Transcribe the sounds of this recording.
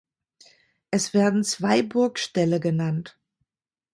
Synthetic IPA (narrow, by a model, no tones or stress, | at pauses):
ʔɛsv̥eːɐdn̩t͡sv̥aɪbʊɐkʃtɛləɡənant